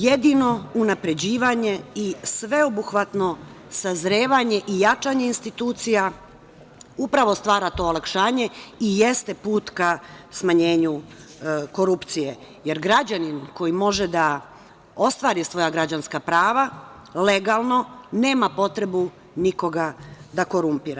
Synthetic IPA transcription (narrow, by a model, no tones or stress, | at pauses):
jed̪ino̞unapɾe̞d͡ʑiːʋaɲe̞isʋe̞obuxʋat̪no̞ | sazɾeːʋaɲe̞ʔijat͡ʃaːɲe̞inst̪it̪uːt̪sija | upɾaʋo̞st̪ʋaːɾat̪o̞ːolˠakʃaːɲe̞ijest̪e̞puːt̪kasmaɲe̞ːɲu | ko̞ɾupt̪sije | je̞ɾɡɾad͡ʑaninko̞jimo̞ʒed̪a | o̞st̪ʋaːɾisʋo̞jaɡɾad͡ʑanskapɾaːʋa | le̞ɡaːlˠno̞ne̞ːmapo̞t̪ɾe̞bu | niko̞ɡad̪ako̞ɾumpiɾa